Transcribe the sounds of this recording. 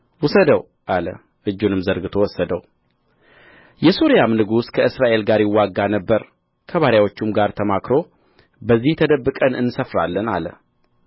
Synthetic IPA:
wʊsəd̪əw | ʔalə̰ | ʔɨd͡ʒːunɨmzəɾɡɨt̪ʰo̞wɔsːəd̪əw | jɛsoɾijamnɨɡuskʰəɨsɾaʔe̞lɡaɾjɪwːaɡːanəbːəɾ | kʰəβaɾjawo̞t͡ʃːumɡaɾt̪ʰəmakɾo̞ | bəzːiht̪ʰəd̪əbːɨkʼənɨnːsəfɾa̰lːəna̰lə̰

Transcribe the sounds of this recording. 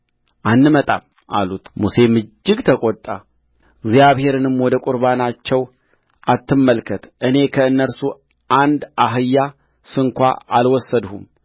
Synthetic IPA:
ʔanːɨmət̪ʼa̰m | ʔa̰lut̪muse̞mɨd͡ʒːɪɡt̪ʰəkʼot̪ʼːa | ɡzijaβhe̞ɾɨnɨmwɔd̪əkʼʊɾβanat͡ʃːɛw | ʔat̪ʰːɨmːəlkʰət̪ʔɨne̞kʰəɨnːəɾsu | ʔand̪aɦɨjːa | sɨŋkʷa̰alwɔsːəd̪hum

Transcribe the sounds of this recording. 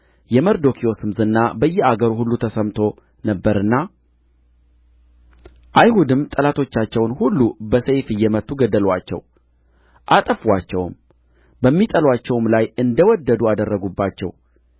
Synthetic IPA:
jɛməɾd̪o̞kʰijo̞sɨmzɨnːabəjːɛaɡəɾhulːut̪ʰəsəmt̪ʰo̞ | nəbːəɾɨnːa | ʔajɦud̪ɨmt̪ʼəlat̪ʰo̞t͡ʃːat͡ʃːɛwnhulːubəsejfɨjːɛmət̪ːuɡəd̪əlwa̰t͡ʃːɛ̰w | ʔat̪ʼəfwat͡ʃːɛ̰wm | bəmːit̪ʼəlwat͡ʃːɛwmlajɨnd̪əwɔd̪ːəd̪uad̪ərːəɡubːat͡ʃːɛ̰w

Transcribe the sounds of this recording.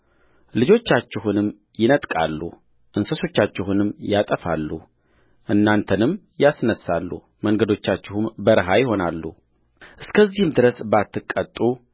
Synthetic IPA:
lɨd͡ʒo̞t͡ʃːat͡ʃːɪɦunɨmː | jɪnət̪ʼkʼa̰lːṵ | ʔɨnsəso̞t͡ʃːat͡ʃːɪhunɨmːjat̪ʼəfa̰lːu | ʔɨnːant̪ʰənɨm | jasnəsːalːṵ | məŋɡəd̪o̞t͡ʃːat͡ʃːɪhumbəɾɨɦajɪɦo̞nalːu | ʔɨskʰəzːihɨmd̪ɨɾəsbat̪ʰːɨkʼːət̪ʼu

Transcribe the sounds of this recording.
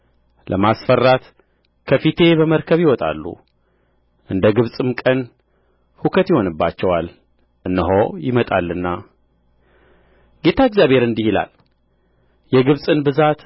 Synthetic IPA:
lʔəmasfərːat̪ | kʰəfit̪ʰe̞bəməɾkʰəβjɪwɔt̪ʼa̰lːṵ | ʔɨnd̪əɡɨβsʼɨmkʼən | hukʰət̪jɪho̞nɨbːat͡ʃːɛwal | ʔɨnːɨɦojɪmət̪ʼa̰lːɨnːa | ɡe̞t̪ʰaeɡzjaβhe̞ɾɨnd̪ihila̰l | jɛɡɨβsʼɨnbɨzat̪

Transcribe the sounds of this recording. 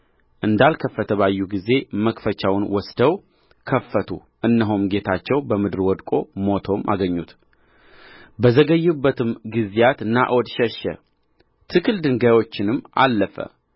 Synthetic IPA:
ʔɨnd̪alkʰəfːət̪ʰəβajːuɡize̞məkfət͡ʃawnwɔsd̪əw | kʰəfːət̪ʰṵ | ʔɨnːəɦomɡe̞t̪ʰat͡ʃːɛwbəmɨd̪ɨɾwɔd̪kʼo̞mo̞t̪ʰo̞mʔa̰ɡəɲːut̪ | bəzəɡəjːɪbːət̪ɨmɡɨzjat̪na̰ʔod̪ʃəʃɛ̰ | t̪ʰɨkɨld̪ɨŋɡajwo̞t͡ʃːɪnɨmːa̰lːəfə̰

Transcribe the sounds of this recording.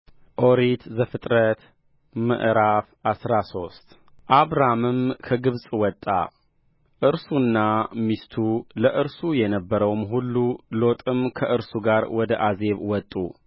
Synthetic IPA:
ʔoɾit̪zəfɨt̪ʼɾət̪ | mə̰ʔɾafʔasɾaso̞st̪ʼ | ʔaβɾamɨmkʰəɡɨβsʼwɔt̪ʼːa̰ | ʔɨɾsunːamist̪ʰuləʔɨɾsujɛnəbːəɾəwmɦulːulo̞t̪ʼɨmkʰəʔɨɾsuɡaɾwɔd̪əʔaze̞βwɔt̪ʼːṵ

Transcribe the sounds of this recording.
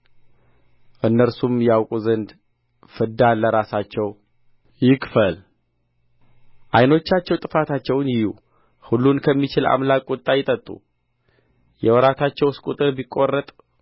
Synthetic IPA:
ʔɨnːəɾsumjawkʼuzənd̪ | fɨd̪anlːəɾasat͡ʃːɛw | jɪkfəl | ʔajno̞t͡ʃːat͡ʃːɛwt̪ʼɨfat̪ʰat͡ʃːɛwnjɪjṵ | hulːunkʰəmːit͡ʃɪla̰mlakʼːɔt̪ʼːajɪt̪ʼət̪ʼːṵ | jɛwɔɾat̪ʰat͡ʃːɛwskʼut̪ʼɨɾbikʼːo̞rːət̪ʼ

